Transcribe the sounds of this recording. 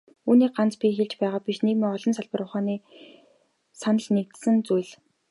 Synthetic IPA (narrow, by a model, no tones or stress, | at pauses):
uːniːk̚ɢant͡spʲixeɮt͡ɕpæːʁaːpʲiʃneːmiːɔɮɞ̆nsaɮpə̆ɾʊχaːniː | sanə̆ɮnek̚t̪sɘ̆nt͡sujɮ